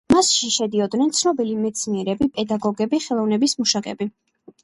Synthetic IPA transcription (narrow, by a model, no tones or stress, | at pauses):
masʃiʃɛd̪iɔd̪nɛnt̪sʰnɔbilimɛt̪sʰniɛɾɛbipʼɛd̪aɡɔɡɛbiχɛlˠɔvnɛbismuʃakʼɛ̰bi